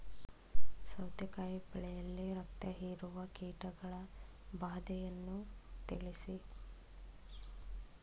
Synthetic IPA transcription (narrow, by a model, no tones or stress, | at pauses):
sɐwd̪jɐkaːjipɐɭɛjɐlːiɾɐk̚t̪ɐɦiːɾuʋɐkiːʈɐɡɐɭɐ | baːd̪ɛjɐnːut̪iɭisi